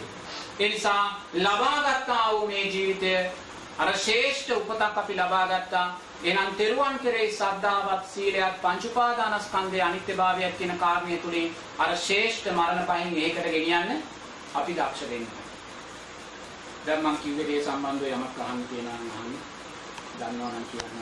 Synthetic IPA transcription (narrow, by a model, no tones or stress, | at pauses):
eːnisaːlabaːɡat̪ːaːɐumeːd͡ʒiːʋit̪ejə | ɐɾəʃeːʂʈəupət̪akːɐpilabaːɡat̪ːaː | ɡenant̪eɾuʋaŋkeɾesɐd̪ʱːaːʋat̪siːlejak̚paɲt͡ʃupaːd̪aːnaskand̪eɐnit̪jɐbaːʋijak̪ːinəkaːɾnejət̪uliŋ | ɐɾəʃeːʂʈəmaɾənəpaɦiŋeːkəʈəɡenijanːə | ɐpid̪akʂɐʋenːɐʋa̰n | d̪ammaŋkiuʋed̪ijesamband̪ujamak̚ɡaɦanːk̪ijənaːnŋaɦani | d̪anːoʋanaŋkija̰nː